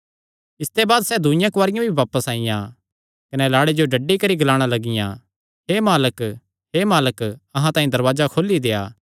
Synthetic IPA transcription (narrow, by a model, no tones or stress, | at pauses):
ɪst̪ebaːd̪sɛːd̪ʊɪjãkwaːɾɪjãbʱiʋaːpəsaːɪ̃jã̰ | kɐnɛlaːɽed͡ʒoɖʱɐɖikɐɾiɡɐlaːɽ̃alɐɡɪjã̰ | ɦemaːlək | ɦemaːləkɐɦãt̪ãːĩd̪ɐɾʋaːzakʰoːlːid̪eːa̰ː